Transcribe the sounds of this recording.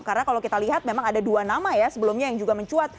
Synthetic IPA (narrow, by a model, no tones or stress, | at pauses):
karnakalowkit̪aliɦat̪̚memaŋadaduanamajasəbəlʊmɲajaŋd͡ʒuɡaməɲt͡ʃuat̪̚